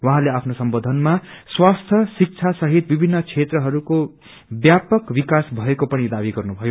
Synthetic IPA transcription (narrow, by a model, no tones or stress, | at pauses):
waɦãleapʰnosʌmbod̪ʱʌnmaswast̪ʰjʌsik̚t͡sʰasʌɦit̪̚bibʱinːʌt͡sʰet̪rʌɦʌɾuko | bjapʌkbikasbʱʌekopʌɽ̃id̪abiɡʌrnubʱʌjo